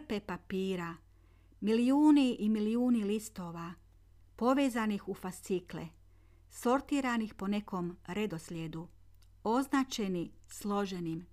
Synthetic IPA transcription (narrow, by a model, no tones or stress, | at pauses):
pe̞papiːɾa | miliuːniʔimiliuːnilist̪o̞ːʋa | po̞ʋe̞ːzanixufast̪siklḛ | so̞ɾt̪iːɾanixpo̞ne̞ko̞mɾe̞d̪o̞slʲjed̪u | o̞znaːt͡ʃe̞nislˠo̞ʒe̞nim